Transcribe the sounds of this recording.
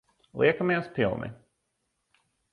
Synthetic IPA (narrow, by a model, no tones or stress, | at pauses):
lˠiɛkəmɛːspʰɪlˠnɪ̰